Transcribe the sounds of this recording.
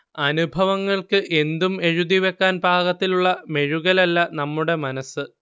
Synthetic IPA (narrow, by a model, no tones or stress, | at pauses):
ɐnubʱɐʋɐŋːɐɭkɨʔe̞nd̪ume̞ɻud̪iʋe̞kːaːnbʱaːɣɐt̪ːiluɭːɐme̞ɻuɣɐlɐlːɐnɐmːuɽe̞mɐnɐsɨ